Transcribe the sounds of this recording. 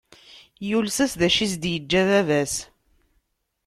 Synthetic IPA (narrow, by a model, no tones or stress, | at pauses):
julsæsðæʃis̬d̪jəd͡ʒːæðævæs